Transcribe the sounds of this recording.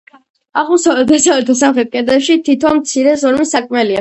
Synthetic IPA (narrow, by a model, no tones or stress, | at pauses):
aʁusavɛld̪asavɛɾt̪ʰɔs̬amχɛt̪̚kʼɛɾd̪ɛpʃit̪ʰit̪ʰɔnmt̪sʰiɾɛzɔɾmisakʼmɛlia